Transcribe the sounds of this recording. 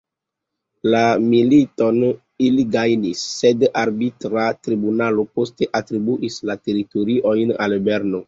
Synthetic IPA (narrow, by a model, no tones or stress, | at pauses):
lamilito̞n | iliɡajnisːedaɾbitɾatɾibunalopo̞ste̞ʔatɾibuʔislate̞ɾitoɾiʔo̞jna̰lbeɾno